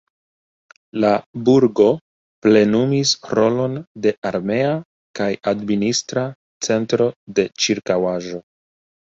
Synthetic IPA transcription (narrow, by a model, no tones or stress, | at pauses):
labuɾɡo̞ | ple̞numisɾo̞lo̞nde̞aɾme̞a | kajadministɾa | t͡se̞ntɾo̞de̞t͡ʃiɾkawaʒo̞